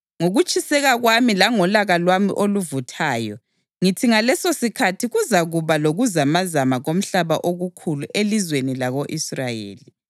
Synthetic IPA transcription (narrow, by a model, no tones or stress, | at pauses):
ŋoɣut͡ʃʼisɛɣaɣwamilaŋɔlaɣalwamḭʔoluvutʰaːjɔ | ŋitʰiŋalɛsosikʰatʰiɣuzaɣuβaloɣuzamazamaɣom̩ɬaβaʔoɣukʰuluʔelizwenilaɣoʔisrajḛːli